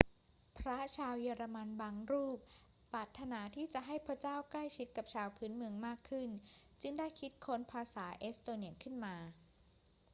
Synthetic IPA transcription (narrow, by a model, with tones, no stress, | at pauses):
pʰɾa˦˥t͡ɕʰaː˧wjiː˧ɾaː˧ma˧nbaː˧ŋɾuː˥˩p̚ | pːɾaː˨˩t̪ʰːa˧naː˩˦t̪ʰiː˥˩t͡ɕa˨˩ʔɦa˥˩jpʰɾa˦˥t͡ɕaː˥˩wkla˥˩jt͡ɕʰi˦˥t̪̚ka˨˩p̚t͡ɕʰaː˧wpʰɯː˦˥nmɯ˧əŋmaː˥˩kʰːɯ˥˩nt͡ɕɯ˥˩ŋdaː˥˩jkʰi˦˥t̪̚kʰo˦˥npʰaː˧saː˩˦ʔeː˦˥st̪oː˧ni˧˩ənkʰɯ˥˩nmaː˧